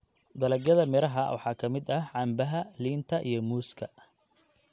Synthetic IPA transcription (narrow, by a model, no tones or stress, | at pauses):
d̪ɐlɛɡɐðɐmɪɾɐɦɐwɑ̰ħɑːkʰɐmɪd̪ɐʕɑːmbɐɦɐliːnt̪ʰɐʔijɞmuːskʰɐ